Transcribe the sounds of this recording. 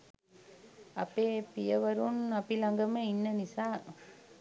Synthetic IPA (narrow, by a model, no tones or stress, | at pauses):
ɐpeːpijɐʋɐɾunɐpilɐŋɡɐmɐinːɐnisaː